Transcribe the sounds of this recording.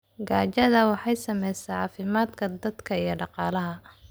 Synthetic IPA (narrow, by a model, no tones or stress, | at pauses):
ɡaːt͡ʃɐðɐwɑħɑjsɐmɛjsɛjʕɑːfɪmaːd̪kʰɐd̪ɐd̪kʰɐijɞɖɑqɑːlɐɦɐ